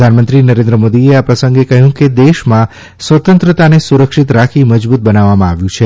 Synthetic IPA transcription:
d̪ʱanmənt̪ɾinəɾẽnd̪ɾəmod̪ieapɾəsə̃ŋɡekəɦjũked̪eʃmã | sʋət̪ənt̪ɾət̪anesuɾəkʃɪt̪ɾakʰiməd͡ʒbut̪̚bənaʋːamãaʋjũt͡ʃʰe

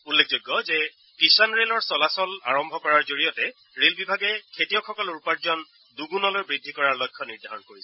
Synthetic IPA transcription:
ulːek̚ʰzojɡːɔzɛ | kisanɹelɔɹsɔlasɔla̰ɹɔmbʱɔkɔɹaɹzoɹijɔtɛ | ɹelbibʱaɡɛkʰetijɔkxʰɔkɔlʊɹpaɹzɔn | duɡunɔlojbɹidʱːikɔɹaɹlɔjkʰːɔniɹdʱaɹɔnkoɹisɛ

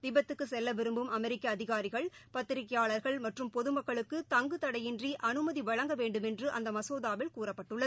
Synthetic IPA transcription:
ʋɪbɐt̪ːɯkːɯsɛlːɐʋɪɾɯmbɯmɐmɛɾɪkːɐːðɪɣaːɾɪɣɐɭpɐt̪ːɪɾɪkːɐjaːɭɐɾɣɐɭmɐʈrɯmpɔðɯmɐkːɐɭɯkːɯt̪ɐŋɡɯt̪ɐɽɐjɪndriʔɐnɯmɐðiʋɐɻɐŋɡɐʋeːɳɖɯmɛndrɯʔɐ̰nd̪ɐmɐsoːðaːʋɪlkuːrɐpːɐʈːɯɭːɐð

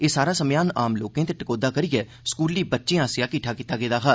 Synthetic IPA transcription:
eːsaːɾaːsəmjaːnaːmloːkẽːt̪eʈəkoːd̪aːkəɾɪɡɛː | skuːlːiːbətːʃẽːaːsɪjaːkɪʈʰaːkɪːt̪aːɡeːd̪aːkʰaː

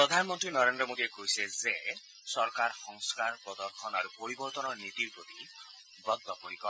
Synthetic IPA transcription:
pɾɔd̪ʱanɔmɔnt̪ɾinɔɾend̪ɾɔmod̪iekojseze | sɔɾkaɾɔxɔŋskaɾpɾɔd̪ɔɾkʰɔnaɾupoɾibɔɾt̪ɔnɔnit̪iɾpɾot̪i | bɔd̪ːɔpoɾikɔ

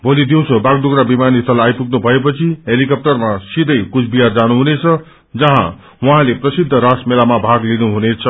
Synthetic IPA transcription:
bolid̪iw̃t͡sʰobaɡ̚d̪uɡɾabimanist̪ʰʌlajpuɡ̚nubʱʌepʌt͡sʰiɦelikʌp̚ʈʌrmasid̪ʱʌjkut͡sʰbiɦard͡zanuɦunet͡sʰʌ | d͡zʌɦã̰ | wʌɦãleprʌsid̪ʱːʌɾasmelamabʱaɡlinuɦunet͡sʰʌ

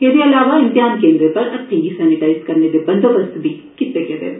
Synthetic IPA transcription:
kedeɐlaːʋaɪ̃nt̪ɪɦaːnkẽːnd̪ɾepɐɾɐʈʰːĩɡisɛːnɪʈaːɪskɐɾned̪ebɐ̃nd̪obɐst̪bʱi | kɪt̪ːekɛt̪ḛː

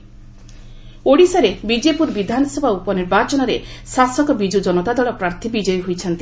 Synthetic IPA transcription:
oɽisaɾebid͡ʒepuɾbid̪ʱanɔsɔbʱaupɔniɾbat͡ʃɔnɔɾesasɔkɔbid͡ʒud͡ʒɔnɔt̪ad̪ɔɭɔpɾaɾt̪ʰibid͡ʒɔjɦojt͡ʃʰɔnt̪i

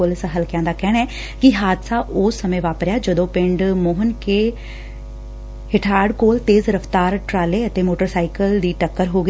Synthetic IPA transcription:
oːlɪsaɦəlkɪjãːd̪aːkɛːɽ̃ɛː | kiɦaːd̪saʔʊːsːəmẽʋaːpɾjaːd͡ʒəd̪õːpɪ̃ɳɖmoːɦənkeː | hɪʈʰaːɖkoːlt̪eːzɾəft̪aːɾʈɾaːleət̪emoːʈəɾsaːɪkəld̪iːʈəkːəɾɦoːɡ

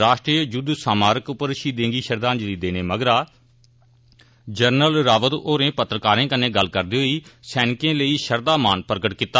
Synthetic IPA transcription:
ɾaːʃʈɾiːəd͡ʒʊd̪saːmaːɾəkʊpːəɾʃiːd̪ẽːŋɡiːʃəɾd̪ãːnd͡ʒliːd̪eːneːməɡɾaː | d͡ʒəɾnəlɾaːʋəd̪oːɾẽːpət̪ɾəkaːɾẽːkənːẽːɡəlkəɾd̪iːɦoiːsɛːnɪkẽːləiːʃəɾd̪aːmaːnpəɾkəʈkɪt̪ːaː

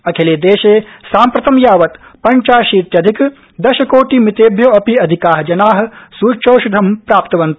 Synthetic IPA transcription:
ɐkʰeleːd̪eːʃeːsaːmpɾɐt̪ɐmjaːʋɐt̪pɐɲt͡ʃaːʃit̪jɐd̪ʱik | d̪ɐʃɐkoːʈimit̪eːbʱjoːɐpiɐd̪ʱikaːɦɐd͡ʒɐnaːɦɐ̆suːʃʰoːʃud̪ʱɐmpɾaːp̚t̪ɐʋɐnt̪

